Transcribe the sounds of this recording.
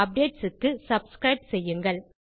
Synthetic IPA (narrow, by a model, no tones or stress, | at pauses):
ɐp̚ɖeːʈsɯkːɯsɐbskɾɐɪbsɛjːɯŋɡɐɭ